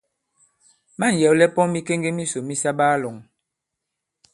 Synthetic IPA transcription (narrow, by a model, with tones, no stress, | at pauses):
ma˦˨n̩˨jɛ˨wlɛ˦pɔ˦mi˦ke˦ŋɡe˦mi˦so˨mi˦sa˦ɓaː˦lɔ˨ŋ